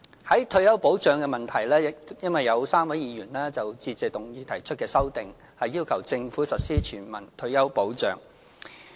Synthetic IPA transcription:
hɐ˨˥jt̪ʰɵ˧ɥjɐ˥wpo˨˥wt͡ʃœː˨˧ŋkɛː˧mɐ˨nt̪ʰɐ˨˩jlɛː˥˨jɐ˥nwɐ˨jːɐ˨˧wsaː˥mwɐ˨˥jiː˨jyː˨˩nlɛː˥t͡sɐ˨wt͡siː˧t͡sɛ˨t̪ʊ˨ŋjiː˨˧t̪ʰɐ˨˩jt͡ʃʰɵ˥t̚kɛː˧sɐ˥wt̪ɪ˨ŋ | hɐ˨jːiː˥wkʰɐ˨˩wt͡sɪ˧ŋfuː˨˥sɐ˨t̚siː˥t͡ʃʰyː˨˩nmɐ̰˨˩nt̪ʰɵ˧ɥjɐ˥wpo˨˥wt͡ʃœ̰ː˨˧ŋ

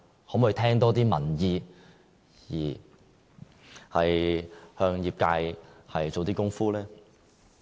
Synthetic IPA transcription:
hoː˨˥mʊ˨˧jt̪ʰɛː˥ŋt̪ɔː˥t̪̬iː˥mɐ˨˩njiː˨ | jiː˨˩ | hɐ˨jhœː˧ŋjiː˨p̚kaː˧jhɐ˨jt͡so˨wt̪iː˥kʊ˥ŋfuː˥lɛː˥

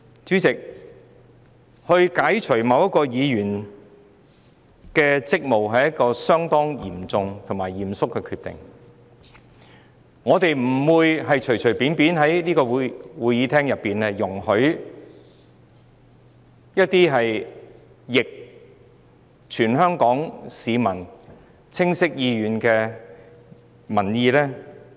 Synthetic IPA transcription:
t͡ʃyː˨˥t͡sɪ˨k̚ | hɵ˧ɥkaː˨˥jt͡ʃʰɵ˨˩ɥmɐ˨˧wjɐ˥t̚kɔː˧jiː˨˧jyː˨˩n | kɛː˧t͡sɪ˥k̚mo˨wɦɐ˨jɐ˥kɔː˧sœː˥ŋt̪ɔː˥ŋjḭː˨˩mt͡sʊ˧ŋt̪ʰʊ˨˩ŋmaː˨˩jːiː˨˩msʊ˥kːɛː˧kʰyː˧t̪ɪ̰˨ŋ | ŋɔː˨˧t̪e˨jm̩˨˩wuː˨˧jɦɐ˨jt͡ʃʰɵ˨˩ɥt͡ʃʰɵ˨˩ɥpiː˨˥npiː˨˥nɦɐ˨˥jniː˥kɔː˧wwuː˨˧jjiː˨˥t̪ʰɛː˥ŋjɐ˨pːiː˨nɛː˥jʊ˨˩ŋhɵ˨˥ɥ | jɐ˥t̚t̪iː˥ɦɐ˨j | jɪ˨k̚ | t͡ʃʰyː˨˩nɦœː˥ŋkɔː˨˥ŋsiː˨˧mɐ˨˩n | t͡sʰɪ˥ŋsɪ˥k̚jiː˧ɥyː˨˧nkɛː˧ | mɐ˨˩njiː˨˧lɛː˥

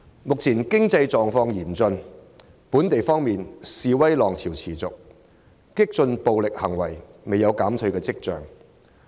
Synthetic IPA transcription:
mʊ˨k̚t͡sʰiː˨˩nkɪ˥ŋt͡sɐ˧jt͡sɔː˨ŋfɔː˧ŋjiː˨˩mt͡sɵ˧n | puː˨˥nt̪e˨jfɔː˥ŋmiː˨nsiː˧wɐ˥jlɔː˨˩ŋt͡sʰiː˨˩wt͡sʰiː˨˩t͡sʊ˨k̚ | kɪ˥k̚t͡sɵ˧npo˨wlɪ˨k̚hɐ˨˩ŋwɐ˨˩jme˨jɐ˨˧wkaː˨˥mt̪ʰɵ˧ɥkɛː˧t͡sɪ˥k̚t͡sœ̰ː˨ŋ

